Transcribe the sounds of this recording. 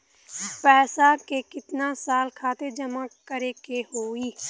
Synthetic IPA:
pɛːsakekɪt̪nasaːlkʰaːt̪ed͡ʒɐmãkəɾekehoːiː

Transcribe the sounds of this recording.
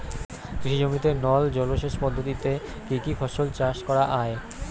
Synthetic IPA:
ɡɾiʃid͡ʑomit̪enɔld͡ʑɔloʃeʃpɔd̪ʱːot̪it̪e | kikifʰɔʃolt͡ɕaʃkɔɾaʔae

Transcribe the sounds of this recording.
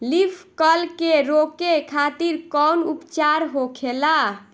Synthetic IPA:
lipʰkəlkeɾokekʰat̪iɾkɔwnupt͡ʃaɾɦokʰela

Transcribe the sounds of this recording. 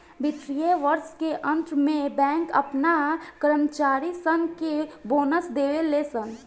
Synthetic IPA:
bɪt̪ɾijeʋəɾskeʔə̃nt̪ɾmẽbɛ̃ːŋkə̰pnakəɾəmt͡ʃaːɾisənkeboːnəsd̪eːʋeleːsən

